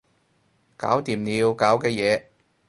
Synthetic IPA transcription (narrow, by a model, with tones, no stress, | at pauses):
ka̰ː˨˥wt̪iː˨˩mniː˨˧wkaː˨˥wkɛː˧jɛː˨˧